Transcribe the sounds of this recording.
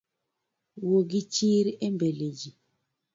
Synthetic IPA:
woɡit͡ʃiɾiembeled͡ʒi

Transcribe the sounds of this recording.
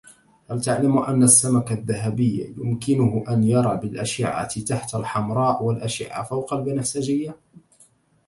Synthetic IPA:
halt̪aʕlamʔanːasːamakaðːaɦabɪjːa̰jʊmkɪnʊhʔanjɑɾˤɑːbɪlʔaʃɪ̰ʕa̰t̪t̪aħt̪alħamɾˤɑːʔwalʔaʃɪ̰ʕa̰fawqɑlbɪnaħsad͡ʒɪjːa

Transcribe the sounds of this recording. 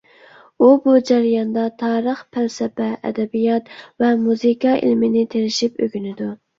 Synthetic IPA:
ubud͡ʒæɾijɑnd̪ɑt̪ʰɑːɾəχpʰælsɛpɛʔɛ̰d̪ɛbijɑt̪vɛmuzikʰɑḭlmɪnɪt̪ʰeɾɪʃipøɡʲynɪd̪u

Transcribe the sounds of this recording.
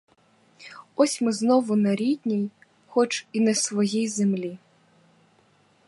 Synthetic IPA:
ɔsʲmɪznɔʋʊnɐɾʲid̪ʲnʲij | xɔt͡ʃinɐsʋɔjijzemlʲi

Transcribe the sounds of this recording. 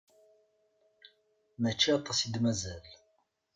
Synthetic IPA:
mæt͡ʃːiɑt̪ˤːɑsid̪mæzæl

